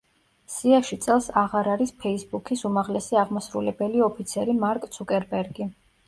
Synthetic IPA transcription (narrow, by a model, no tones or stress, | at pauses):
siaʃit̪sʼɛlˠsaʁaɾaɾispʰɛisbukʰisumaʁlɛsiaʁmasɾṵlɛbɛliɔpʰit̪sʰɛɾimaɾkʼt̪sʰukʼɛɾbɛɾɡi